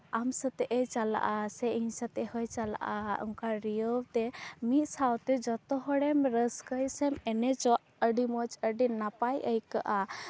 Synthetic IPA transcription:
amsət̪ɛʔɛt͡ʃala̰ʔasɛʔiɲsət̪ɛhɔjt͡ʃala̰ʔa̰ṵ̃ŋkaɾijɔwt̪ɛmit̪sawt̪ɛd͡ʒɔt̪ɔɦɔɽɛmɾəskəjsɛmɛnɛt͡ʃɔʔəɖimɔt͡ʃəɖinapajʔəjka̰ʔa

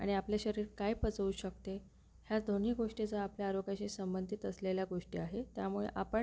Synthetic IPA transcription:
a̰ɽ̃iapljaɕəɾiːɾkajpət͡suːɕək̚t̪e | hjad̪ʱon̤iːɡoʂʈed͡zəapljaːɾokjãɕiːsəmbənd̪ʱit̪əsleljaɡoʂʈiːaɦet̪jamuɭḛʔapə

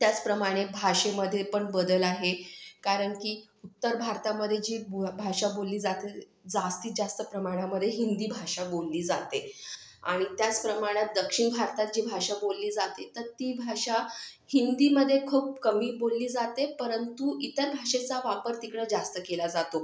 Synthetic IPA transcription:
t̪jat͡spɾəmaɽ̃ebʱaʂeməd̪ʱːjepəɳbəd̪əlaɦekaɾəɳkiːut̪ːəɾbʱaɾt̪aməd̪ʱːjed͡ʑiːbʱaʂabolːiːd͡zat̪e | d͡zast̪iːd͡zast̪əpɾəmaɽ̃aməd̪ʱːjeɦind̪iːbʱaʂabolːiːd͡zat̪e | a̰ɽ̃it̪jat͡spɾəmaɽ̃at̪̚d̪əkʂiɳbʱaɾt̪at̪̚d͡ʑiːbʱaʂabolːiːd͡zat̪et̪əɾt̪iːbʱaʂahind̪iːməd̪ʱːjekʰəːb̚kəmiːbolːiːd͡zat̪epəɾənt̪uit̪əɾbʱaʂet͡saʋapəɾt̪ikɽəd͡zast̪əkelad͡zat̪o

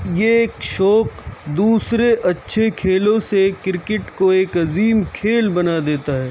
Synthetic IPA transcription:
jeːkʃɔːkd̪uːsɾeʔɐtːʃʰekʰeːlõsekɪɾkɪʈkoeːkɐziːmkʰeːlbɐnad̪eːt̪aɦɛː

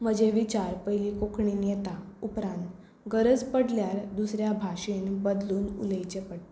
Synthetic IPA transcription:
m̤əd͡ʑeʋit͡ɕaɾpəjliːkokɳiːnjɛt̪aupɾãnt̪ | ɡəɾəd͡zpəɽljaɾd̪usɾjabʱaɕenbəd̪luːnṵləjt͡ɕepəɽt̪e

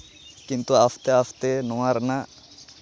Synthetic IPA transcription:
kint̪uaft̪eaft̪enoaɾna

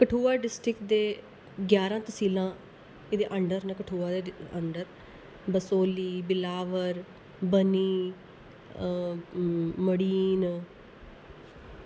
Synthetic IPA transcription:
kəʈʰuːaːɖɪsʈɾɪkd̪eː | ɡjaːɾãːt̪əsiːlãː | eːd̪eːʔəɳɖəɾnẽkəʈʰuːaːd̪eːəɳɖəɾ | bəsoːliːbɪlaːʋəɾ | bəniː | məɽiːn

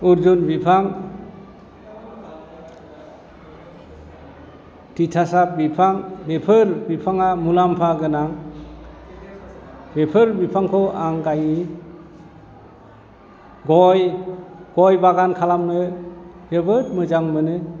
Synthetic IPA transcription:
uɾd͡ʒunbipʰaŋ | titʰasap̚bipʰaŋbepʰɯɾbipʰaŋamulampʰaɡɯnaŋ | bepʰɯɾbipʰaŋkʰɔaŋɡaji | ɡɔjɡ̥ɔjbaɡankʰalamnɯ | hebɯtmɯd͡ʒaŋmɯnɯ

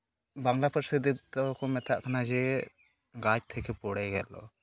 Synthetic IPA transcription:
baŋlapəɾsid̪it̪̚d̪ɔkɔmɛt̪ʰaʔkʰanad͡ʒɛ | ɡad͡ʒ̚t̪ʰɛkʰɛpɔɽɛjɡɛlɔ̰

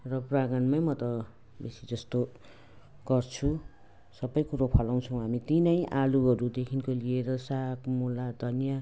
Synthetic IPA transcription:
rʌpraɡʌnmʌjmʌt̪ʌ | besid͡zʌst̪o | ɡ̥ʌrt͡sʰu | sʌbʌjkuɾopʰʌlʌw̃t͡sʰʌ̃w̃ɦamit̪inʌjʔaluɦʌɾud̪ekʰinkolieɾʌsakmulad̪ʱʌnja

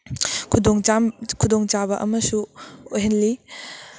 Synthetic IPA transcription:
kʰudoŋakʰudoŋt͡ʃabɐʔɐmɐsuojɦɐnli

